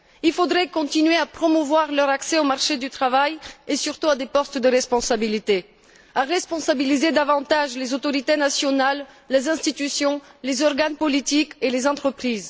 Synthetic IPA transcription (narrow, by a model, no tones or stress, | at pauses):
ilfod̪ʁɛkɔ̃t̪inɥeapχɔmuvwaʁlœʁaksɛomaʁʃed̪yt̪χavajesyʁt̪uad̪epɔst̪d̪əʁɛspɔ̃sabilit̪e | aʁɛspɔ̃sabilized̪avɑ̃t̪aʒlezot̪ɔʁit̪enasjɔnalː | ezɛ̃st̪it̪ysjɔ̃lezɔʁɡanpɔlit̪ikelezɑ̃t̪χəpχiːz